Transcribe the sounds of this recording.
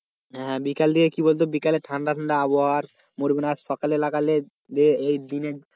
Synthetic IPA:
ɦɦɛ̃bikald̪iekibolt̪̬obikaleʈʰanɖaʈʰaɳɖaaboɦaaɾ | moɾibinasʃɔkaleelakale | d̪ieejd̪ine

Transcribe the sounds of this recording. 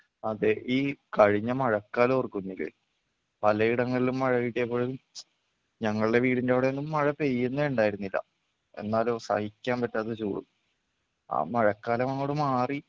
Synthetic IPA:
ɐðeʔiːkɐɻiɲːɐmɐɻɐkːaːlɐorkːunːilḛ | pɐlɐiɽɐŋːɐɭilumːɐɻɐʋiʈːeepːoːɻu | ɲɐŋːɐɭɨɽe̞ʋiːɽindeʋiɽeenːumːɐɻɐpejːunːɐeɳɖaːjiɾunːilːɐ̰ | e̞̰nːaːlosɐ̰hikʲːaːnpɐtːaːðet͡ɕṵːɽṵm | a̰ːmɐɻɐkːaːlɐmɐŋːoːɽumaːri

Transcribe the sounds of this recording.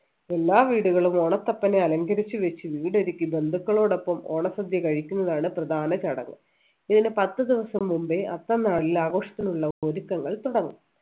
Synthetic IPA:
e̞lːaːʋiːɽuɣɐɭumo̞ːɳɐt̪ːɐpːɐneɐlɐŋɡɐɾit͡ɕːɨʋet͡ɕːɨʋiːɽeɾikʲːibe̞nd̪ʱukːɐɭo̞ːɽo̞pːɐmo̰ːɳɐsɐd̪ʱjɐkɐɻikʲːunːɐðaːɳɨprɐd̪ʱaːnɐt͡ɕɐɽɐ̰ŋːɨ̰ | iðinɨpɐt̪ːɨd̪iʋɐsɐmːumbeʔɐt̪ːɐnaːɽilaːɣo̞ːʂɐ̥t̪ːinuɭːɐoɾukːɐŋːɐɭt̪uɽɐŋːṵm

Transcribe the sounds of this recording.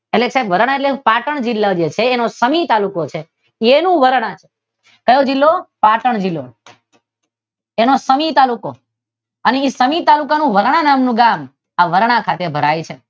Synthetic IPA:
eʈleksabʋəɾɳ̃aeʈlepaʈəɳ̃d͡ʒilːad͡ʒet͡ʃʰeːnosəmit̪alukot͡ʃʰe | enũʋəɾɽ̃at͡ʃʰe̥ | kəjod͡ʒilːopaʈəɳd͡ʒilːo̰ | enosəmit̪aluko | əneisəmit̪alukanũʋəɾɽ̃anamnũɡam | aʋəɾɳ̃ãkʰat̪ebʱəɾajt͡ʃʰe

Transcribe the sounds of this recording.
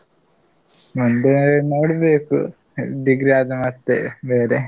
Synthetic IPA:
mund̪eenoːɽubeːkːṵ | d̪iɡɾaːd̪ɐmɐt̪ːḛʋeːɾe

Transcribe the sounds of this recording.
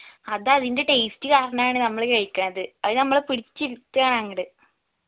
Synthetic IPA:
ɐðaɐðinde̞ʈeːstɨkaːɾɐɳɐmaːɳɨnɐmːɐɭkɐɻkʲːɐnːɐðɨɐðɨnɐmːɐɭpiɽit͡ɕːiɾt̪ːɨaːɳaːŋːɐɽɨ

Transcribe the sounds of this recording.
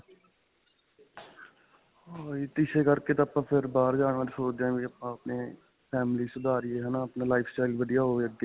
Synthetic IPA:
oːit̪ɪʃeːkəɾkeːt̪ːəpãːpʰɪɾbaːɾd͡ʒaːɽʋãːɾsoːd͡ʒd̪ãːbiəpãːəpneː | pʰɛːmliːsʊd̪ʱaːɾɪeːɦɛnaːəpnaːlaːɪpʰsʈaːɪlʋəɖijaːɦoːʋeəɡe

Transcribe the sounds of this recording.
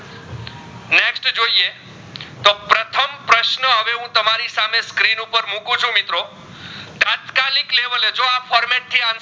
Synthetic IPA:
neksʈd͡ʒoie | t̪opɾət̪ʰəmpɾəʃnəɦəʋeɦũt̪əmaɾisameskɾinupəɾmũkũt͡ʃʰũmɪt̪ɾo | t̪ãt̪kalɪkleʋəled͡ʒoafɔɾmɛʈ̚t̪ʰːiãn

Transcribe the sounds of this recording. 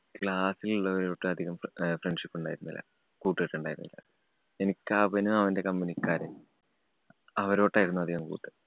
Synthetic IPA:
kɭaːsiluɭːɐoɾoːʈːɨɐd̪ʱiɣɐmfreɳɖʂipːuɳɖaːjiɾunːḭlːɐ̰ | kuːʈːɨeʈːuɳɖaːjiɾunːḭlːɐ̰ | e̞nikʲːaːʋɐnuɐʋɐnde̞kɐmːinikːaːɾe | ɐʋɐɾo̞ːʈːaːjiɾunːɐd̪ʱiɣɐmkṵːʈːɨ

